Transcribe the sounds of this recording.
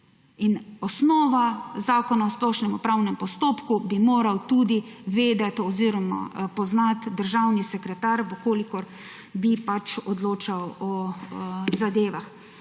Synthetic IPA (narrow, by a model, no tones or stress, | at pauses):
inɔsnɔːʋazaːkɔnaɔsplɔʃnɛmɔpɾawnɛmpɔst̪oːpkubimoːɾawt̪ud̪iʋeːd̪ɛt̪ɔziɾɔma̰pɔznat̪d̪əɾʒawnisɛkɾɛt̪aɾʋəkoːlikɔɾ | bipat͡ʃɔd̪loːt͡ʃawɔ | zad̪eːʋax